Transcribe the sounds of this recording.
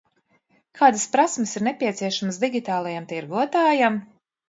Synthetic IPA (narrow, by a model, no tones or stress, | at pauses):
kʰaːd̪aspɾasmesiɾnɛpʲiɛt̪siɛʃaməsd̪iɡʲit̪aːlˠajamt̪iɾɡuɔt̪aːjam